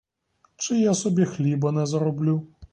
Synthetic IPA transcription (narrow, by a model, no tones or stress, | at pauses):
t͡ʃɪjasɔbʲixlʲibɐnɛzɐɾɔblʲu